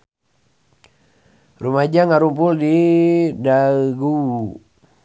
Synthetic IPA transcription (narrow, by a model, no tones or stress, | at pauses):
rumad͡ʒaŋaɾumpuldidaɡu